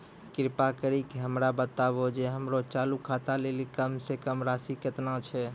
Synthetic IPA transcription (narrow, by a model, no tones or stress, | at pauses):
kɪɾpakəɾikeɦəmɾabət̪abod͡ʒeɦəmɾot͡ʃalukʰat̪alelikəmsekəmɾasiket̪nat͡ʃʰɛ